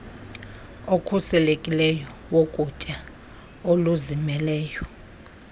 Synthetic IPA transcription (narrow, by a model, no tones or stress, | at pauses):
okʰusɛlekʼilɛjɔwokʼut͡ʃʼa | oluzimɛlɛːjɔ